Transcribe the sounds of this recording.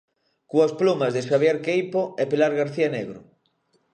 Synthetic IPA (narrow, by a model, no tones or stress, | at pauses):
kuasplumɐzðeʃaβjeɾkejpoɛpelaɾɣaɾθianeɣɾʊ̰